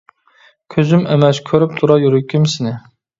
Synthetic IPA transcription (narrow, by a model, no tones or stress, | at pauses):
kʲʰøzymɛmɛskʲʰøɾyp̚t̪ʰuɾɑjuɾykʲʰːimsɪnɪ